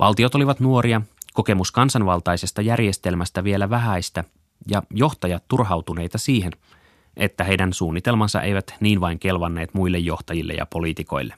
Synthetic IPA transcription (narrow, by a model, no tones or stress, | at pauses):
ʋʔɑ̰lt̪io̞t̪o̞liʋɑt̪nuo̞ɾiɑko̞ke̞muskɑnsɑnʋɑlt̪ɑjse̞st̪ɑjærje̞st̪e̞lmæst̪æʋie̞læʋæɦæjst̪æ | jɑjo̞xt̪ɑjɑt̪ːurɦɑwt̪une̞jt̪ɑsiːɦen | ʔe̞t̪ːæɦe̞jdænsuːnːit̪e̞lmɑnsɑ̰ʔe̞̰jʋæt̪niːnʋɑiŋke̞lʋɑnːe̞ːt̪mujlːejːo̞ht̪ɑjilːḛjɑ̰po̞lit̪iko̞jlːe